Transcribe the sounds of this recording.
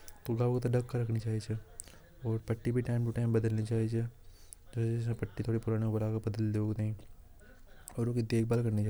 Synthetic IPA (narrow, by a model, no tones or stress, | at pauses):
t̪oɡaːʋkt̪oɖɐkkːaɾɐkʰnit͡ʃaːɦit͡ʃʰe | ɔːɾpɐʈːibʱiʈaːɪmʈaːɪmbɐd̪əlnit͡ʃaːɦit͡ʃe | d͡ʒosesẽpɐʈːit̪ʰoːɽipʊɾaːnekobɐɽaːkɐɾbɐd̪əld̪eoːɡt̪eĩː | ɔːɾokid̪eːk̚ʰbaːlkɐɾnit͡ʃaː